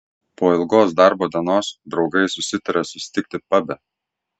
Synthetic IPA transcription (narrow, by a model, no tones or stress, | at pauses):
poːɪlˠɡoːsd̪ɑˑɾboːd̪ʲɛnoːsd̪ɾɒʊɡɐɪsʊsʲɪt̪ɐɾʲɛsʊsʲɪ̥t̪ʲɪk̚ʲt̪ʲɪpɐbʲɛ